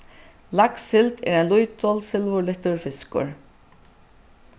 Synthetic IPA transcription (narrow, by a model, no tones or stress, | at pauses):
laksɪlt̪ɛ̰ːɾɛnlujt̪ɔlsɪlvʊɾlɪht̪ʊɹfɪskʊ̰ɹ